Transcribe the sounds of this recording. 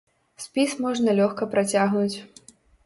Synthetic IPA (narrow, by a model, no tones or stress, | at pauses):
sʲpʲismɔʐnɐlʲɔxkɐpɾat͡sʲaɣnut͡sʲ